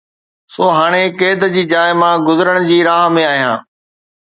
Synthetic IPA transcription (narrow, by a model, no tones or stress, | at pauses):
soːɦaːɽ̃ekeːd̪d͡ʑiːd͡ʑaːɪmãɡʊzəɾəɽ̃d͡ʑiːɾaːɦmẽaːɦijã̰ː